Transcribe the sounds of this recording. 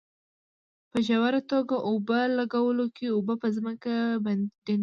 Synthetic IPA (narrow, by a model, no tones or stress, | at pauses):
pəʒawaɾat̪oɡaʔobalaɡawəlokeobəpəzməkabad̪